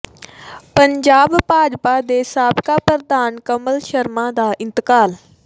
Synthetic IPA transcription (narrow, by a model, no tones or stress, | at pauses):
pəɲd͡ʒaːbpaːd͡ʒpaːd̪eːsaːbkaːpəɾd̪aːnkəməlʃəɾmãːd̪aːʔɪnt̪əkaːl